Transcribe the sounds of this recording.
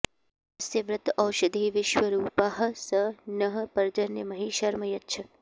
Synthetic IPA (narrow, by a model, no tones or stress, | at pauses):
ɐseʋɾɪt̪ɐwʃɐd̪ʱeːʋɪʃʋəɾuːpaɦə̆sənəɦə̆pɐɾd͡ʒɐnjəmɐɦiʃɐɾməjɐtːʃʰə